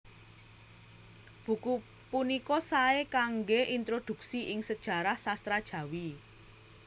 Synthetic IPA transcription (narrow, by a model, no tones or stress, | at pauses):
b̥ṳku | punikɔsaekaŋɡeʔint̪ɾod̪̥ṳksiʔɪŋsəd̥ʒ̥ä̤ɾahsast̪ɾad̥ʒ̥ä̤wi